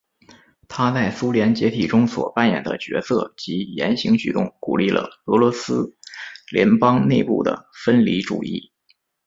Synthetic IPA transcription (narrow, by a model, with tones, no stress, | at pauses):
t̪ʰa˥t͡sa˥˩ɪsu˥ljɛ˧˥nt͡ɕjɛ˧˥t̪ʰi˨˩ʈ͡ʂʊ˥ŋswɔ̰˨˩pa˥˩njɛ̰˨˩nd̪ə̰˦t͡ɕɥɛ˧˥sɤ˥˩t͡ɕi˧˥jɛ̰˧˥nɕi˧˥ŋt͡ɕy̰˨˩t̪ʊ̰˥˩ŋkṵ˨˩li˥˩lə̰˩ɤ˧˥lwɔ˧˥sɹ̩˥ljɛ̰˧˥npɑ˥ŋne˥˧ɪpṵ˥˩d̪ə̰˩fə˥nli˧˥ʈ͡ʂṵ˨˩ḭ˥˩